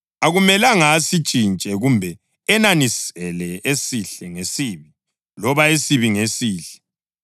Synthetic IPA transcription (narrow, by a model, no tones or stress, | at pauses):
aɣumɛlaŋasit͡ʃʼint͡ʃʼɛɣumbʱɛ | ɛnanisɛlɛesiɬɛŋesiːβi | lɔβaesiβiŋesiːɬɛ̥